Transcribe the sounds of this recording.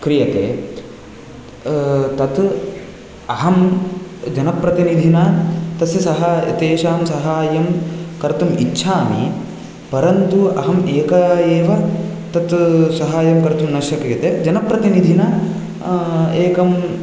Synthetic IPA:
kɾijɐt̪ḛː | t̪ɐt̪ | ɐɦɐm | d͡ʒɐnɐpɾɐt̪inid̪ʱinaːt̪ɐsjɐsɐɦaːj̰t̪eːʃaːmsɐɦaːjɐmkɐɾt̪umitːʃʰaːmḭ | pɐɾɐnt̪uɐɦɐmeːkɐeːʋɐt̪ɐt̪sɐɦaːjɐmkɐɾt̪umnɐʃɐkɾijɐt̪eːd͡ʒɐnɐpɾɐt̪inid̪ʱinɐ | eːkɐm

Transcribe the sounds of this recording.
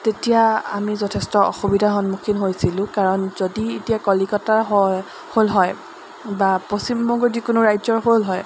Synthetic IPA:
tetijaa̰mizɔtʰɛstɔɔ̰xubidʱaxɔnmukʰinɦojsilʊ̃kaɹɔnz̥odietijakɔlikɔtaɦɔ | holɦɔj | baposimbɔŋɡɔzikʊnʊɹajzɔɹɦolɦɔj

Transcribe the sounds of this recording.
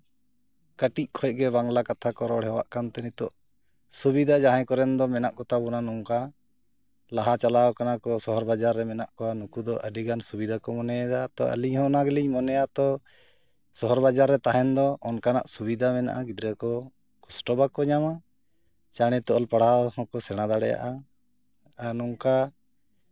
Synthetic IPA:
kəʈic̚kʰɔjɡɛbaŋlakat̪ʰakɔɾɔɽɦɛwa̰ʔkant̪ɛnit̪ɔʔ | subid̪ʱad͡ʒaɦɛ̃kɔɾɛnd̪ɔmɛnaʔkɔt̪abunanuŋka | laɦat͡ʃalawkanakɔsɔɦɔɾbad͡ʒaɾːɛmɛnaʔkɔwanukud̪ɔʔəɖiɡansubid̪ʱakɔmɔnɛd̪at̪ɔə̰liɲhɔnaɡəliɲmɔnɛjat̪ɔ | sɔɦɔɾbad͡ʒaɾːɛt̪aɦɛnd̪ɔɔnkana̰ʔsubid̪ʱamɛna̰ʔaɡid̪ɾɛkɔ | kɔsʈɔbakɔɲama | t͡ʃaɽ̃ɛt̪ɔɔlpaɽ̤ahɔ̃kɔsɛɽ̃ad̪aɽɛja̰ʔa | anuŋka

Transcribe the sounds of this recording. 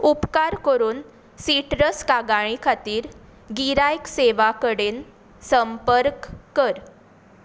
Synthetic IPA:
upkaɾkəɾuːn | siʈɾəskaɡaɽ̃ikʰat̪iːɾ | ɡiɾajkseʋakəɽen | səmpəɾkːəɾ

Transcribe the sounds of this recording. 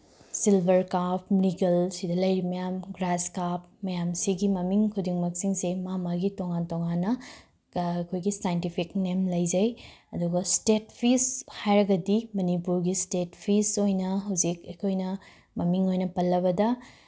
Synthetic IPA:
silbʱɐɾkapʰniɡɐlsidɐlɐjɾimɐjamɡɾaskap̚ | mɐjamsiɡimɐmiŋkʰudiŋmɐk̚siŋsemamaɡitoŋantoŋanːɐ | kʰojɡisajentipʰiknemlɐjd͡ʒɐjɐduɡɐstet̚pʰishajɾɐɡɐdimɐnipuɾɡistet̚pʰisojnɐɦɐwzikekʰojnɐ | mɐmiŋojnɐpɐlːɐβɐdɐ

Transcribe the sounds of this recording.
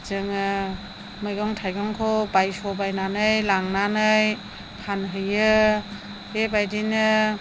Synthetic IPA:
zɯŋɯ | mɯjɡɔŋtʰajɡɔŋkʰɔbajsɔbajnanɯjlaŋnanɯj | pʰanɦɯjɯ | ebajdinɯ

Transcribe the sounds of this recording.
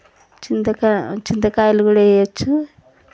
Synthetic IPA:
t͡ʃind̪ɐkat͡ʃind̪ɐkaːjɐluɡuːɽaejɐt͡ʃːu

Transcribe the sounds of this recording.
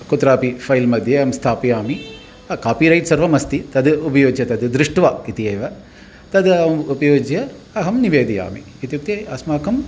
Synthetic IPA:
kut̪ɾaːpipʰɐjlmɐd̪ʱjeɐmst̪ʰaːpijaːmi | ɐkaːpiɾɐjʈ̪sɐɾʋɐmɐst̪it̪ɐd̪upɐjoːd͡ʒjɐt̪ɐd̪ɨd̪ɾiʂʈʋaːkit̪ijeːʋɐ | t̪ɐd̪ɐmupɐjoːd͡ʒjɐ | ɐɦɐmniʋeːd̪ija̰ːmḭkit̪juk̚t̪eɐsmaːkɐm

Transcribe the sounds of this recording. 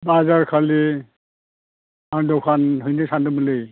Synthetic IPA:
bazaɹkʰali | adɔkʰanɦujnesandɔmulej

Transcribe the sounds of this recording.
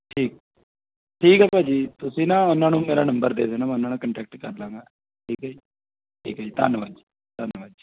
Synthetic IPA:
ʈʰiːk̚ | ʈʰiːkɛːpɛːd͡ʒiːt̪ʊsĩːnãːʊnãːnũːmeːɾaːnə̃mbəɾd̪ḛːsenãːm̃ːʊnãːnãːkəɳʈɛːk̚ʈkəɾlãːŋɡaː | ʈʰiːkaːd͡ʒiː | ʈʰiːkɦad͡ʒiːt̪a̰nʋaːd͡ʒ | t̪anʋaːd͡ʒ

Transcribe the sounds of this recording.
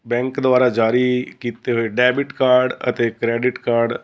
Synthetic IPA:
bɛ̃ŋkd̪ʊaːɾad͡ʒaːɾikiːt̪eɦʊeɖɛːbɪʈkaːɾɖə̰t̪ekɾɛːɖɪʈkaːɾɖ

